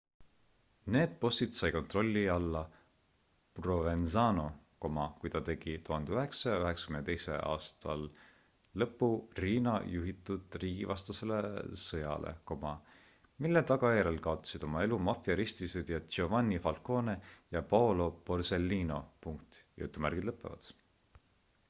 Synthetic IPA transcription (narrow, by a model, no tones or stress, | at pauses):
ne̞ːd̪̥̚po̞st̪it̪sɑjko̞nt̪ro̞lʲːiɑlːɑ | rovenzɑːno̞ | ko̞mɑkujt̪ɑt̪e̞ɡ̥it̪uɦɑnd̪eyɦe̞ksɑjɑyɦe̞ksɑ̥kymnet̪e̞jsḛɑ̰ːst̪ɑlː | ɤpːuriːnɑjuɦit̪ːˑud̪̥riːɡ̥ivɑst̪ɑse̞le̞sɤjɑ̰lʔḛko̞mɑ | milːet̪ɑɡ̥ɑjæɾe̞lkɑo̞t̪ːˑɑ̥sid̪̥o̞mɑe̞lumɑfiɑɾist̪ised̪̥jɑovɑnʲːifɑlko̞ːne̞jɑpɑolo̞po̞rse̞lːiːno̞puŋkt̪jṵt̪ːˑumærɡ̥id̪lɤpːˑe̞vɑ̰d̪̥